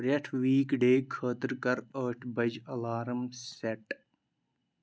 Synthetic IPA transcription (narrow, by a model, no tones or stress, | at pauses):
ɾɐʈʰʋiːkɖeːkʰəːt̪əɾkɐɾəːʈʰbɐd͡ʒɐlaːɾəmseʈ